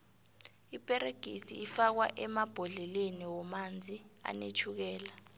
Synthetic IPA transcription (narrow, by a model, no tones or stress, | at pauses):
ipʼɛɾeɡ̥ʱisḭːfak̬wa̰ʔɛmab̥ʱɔɮɛleniwɔmand͡zʱia̰nḛt͡ʃʰuk̬ɛːla